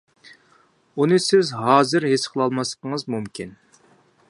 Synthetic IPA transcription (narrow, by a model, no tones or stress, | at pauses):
unɨsɪzɦɑːzɨɾɦesqʰəlˠɑlˠmɑsqʰəŋəzmumkʲʰin